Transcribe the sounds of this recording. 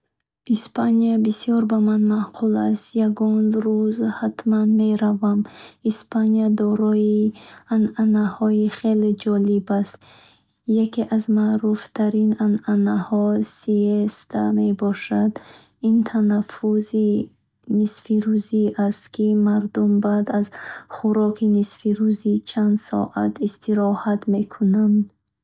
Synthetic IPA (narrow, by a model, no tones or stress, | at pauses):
ʔispʰaniabisjɔɾbamanmaqʰulast̪jaɡɔnɾuzhat̪manme̞ɾavamispʰanijad̪ɔɾɔiananahɔiχeled͡ʒɔlibast̪ | jakeʔazmaʔɾuft̪ʰaɾinananahɔsiest̪ʰame̞bɔʃad̪ | int̪ʰanafuzi | nisfiɾuziʔast̪kʰimaɾd̪umbad̪azχuɾɔkʰinisfiɾuzit͡ʃʰand̪sɔ̰ʔa̰t̪ʰist̪iɾɔhat̪me̞kʰunand̪